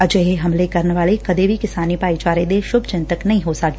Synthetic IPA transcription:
ɐd͡ʒeɦeɦɐmlekɐɾnʋaːlekɐd̪ebʱikɪsaːnipaːit͡ʃaːɾed̪eʃʊbʱt͡ʃɪ̃nt̪əknɐɦĩɦosɐk

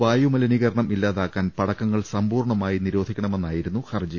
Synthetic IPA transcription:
ʋaːjumɐlɐniɣɐɾɐɳɐmʔilːaːðaːkːaːnpɐɽɐkːɐŋːɐɭsɐmbuːrɳɐmaːjiniɾo̞ːd̪ʱikʲːɐɳɐme̞nːaːjiɾunːuhɐrd͡ʑi

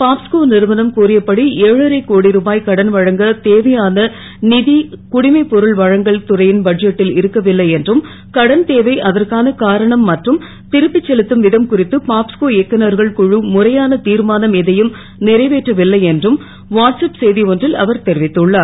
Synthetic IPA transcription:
paːpskoːnɪɾɯʋɐnɐmkuːrɪjɐpːɐɽiʔeːɻɯɾɐɪkːoːɽiɾuːbaːjkɐɽɐnʋɐɻɐŋɡɐt̪eːʋɐjaːnɐ | nɪðikʊɽɪmɐɪpɔɾɯɭʋɐɻɐŋɡɐɭt̪ʊrɐjɪnbɐɖ̚d͡ʒɛʈːɪlɪɾɯkːɐʋɪlːɐɪɛndrɯm | kɐɽɐnt̪eːʋɐɪʔɐðɐrkaːnɐkaːɾɐɳɐmːɐʈrɯm | t̪ɪɾɯpːɪt͡ʃːɛlɯt̪ːɯmʋɪðɐmkʊrɪt̪ːɯpaːpskoːɛkːɐnɐɾɣɐɭkʊɻɯmʊrɐjaːnɐt̪iːɾmaːnɐmɛðɐjɯm | nɪɾɐɪʋeːʈrɐʋɪlːɐɪɛndrɯm | ʋaːʈsɐpsɛjðiɔndrɪlɐ̰ʋɐɾt̪ɛɾɪʋɪt̪ːɯɭːaːɾ

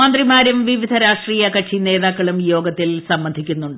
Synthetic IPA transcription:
aːnd̪rimaːɾumʋiʋid̪ʱɐɾaːʂʈriːjɐkɐʈt͡ɕine̞ːðaːkːɐɭumjo̞ːɡɐt̪ːilsɐmbɐnd̪ʱikʲːunːuɳɖɨ

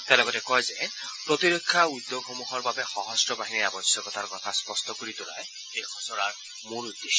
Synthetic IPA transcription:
t̪ɛalɔɡɔtɛkɔjzɛ | pɹɔt̪iɹekʰːaud̪ːoɡɦɔmuɦɔɹbabɛxɔɦɔstɹɔbaɦiniabɔsjɔkɔtʰaɹkɔtʰaspɔstɔkoɹitʊla̰j | ekʰɔsɔɹaɹ | moɹud̪ːeʃɔ

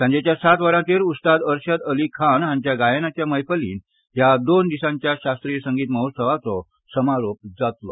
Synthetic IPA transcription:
sə̃ɲd͡ʑet͡ɕjasat̪ʋəɽãt͡ɕeɾut̪st̪ad̪əɾɕəd̪əlikʰanɦãɲt͡ɕjaɡajənat͡ɕjaməjfəlḭːn | ɦjad̪ond̪isãɲt͡ɕjaɕast̪ɾiːsəŋɡiːt̪məɦot̪səʋat͡sɔ | səmaɾop̚d͡zat̪lɔ

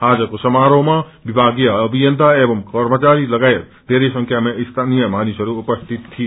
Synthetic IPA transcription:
ɦad͡ʒəkosəmaɾome | bibʱaɡijəəbʱijənt̪aebəmkəɾmət͡ʃaɾiləɡaejt̪̚ | d̪̥eɾesə̃ŋkʰjamest̪ʰanijəmanisəɾuːpəst̪ʰit̪ːʰi

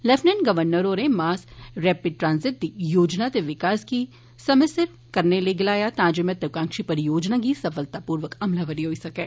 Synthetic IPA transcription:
lɛfʰnɛnɡɐʋəɾnəɾonẽmaːsɾɛːpɪɖ̚ʈɾãːnzɪʈ̚d̪ijoːd͡ʒnat̪eʋɪkaːski | sɐmɪsəɾ | kɐɾneleɡɪlaːjat̪ãːd͡ʒemẽt̪ɐkãːŋkʃipɐɾjoːd͡ʒnaɡisɐfəlt̪apuːɾʋəkɐmlaʋəɾiɦoːisɐkeː

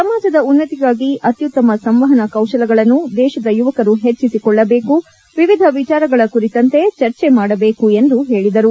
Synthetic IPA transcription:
sɐmaːd͡ʒɐd̪ɐunːɐt̪iɡaːɡiɐt̪jut̪ːɐmɐsɐmʋɐɦɐnɐkɐwʃɐlɐɡɐɭɐnːud̪ɛːʃɐd̪ɐjuʋɐkɐɾuɦe̞t͡ʃːisikɔɭːɐbe̞ːku | ʋiʋid̪ʱɐʋit͡ʃaːɾɐɡɐɭɐkuɾit̪ɐnt̪e̞t͡ʃɐɾt͡ʃemaːɽɐbe̞ːkue̞nd̪uɦe̞ːɭid̪ɐɾu

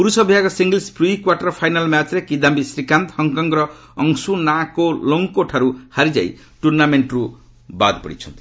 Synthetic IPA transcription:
puɾusʌbʱjakosiŋɡelsprikwaʈʌrpʰajnalmjat͡slekid̪ambisrikant̪hʌŋkʌŋrʌ | ʌŋsunakoloŋkoʈʰaɾuhaɾid͡za̰j | ʈurnameɳʈru | ba̰d̪pʌ̰ɽḭt͡sʰʌnt̪ʰ

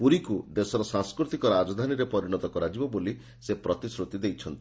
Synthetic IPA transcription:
puɾikud̪esɔɾɔsãŋskɾut̪ikɔɾad͡ʒɔd̪ʱaniɾepɔɾiñɔt̪ɔkɔɾad͡ʒibɔboli | sepɾɔt̪isɾut̪id̪ejt͡ʃʰɔnt̪i̥

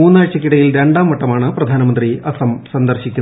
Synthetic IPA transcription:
uːnːaːɻt͡ɕːɐkːiɽɐjilɾe̞ɳɖaːmːɐʈːɐmaːɳɨprɐd̪ʱaːnɐmɐnd̪riɐsɐmsɐnd̪ɐrɕikʲːunː

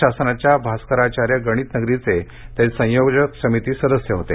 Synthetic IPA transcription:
asnat͡ɕjabʱaskəɾat͡ɕaɾjəɡəɽ̃iːt̪nəɡɾit͡se | t̪esə̃joɡd͡ʑəksəmit̪iːsəd̪əsjəɦot̪e

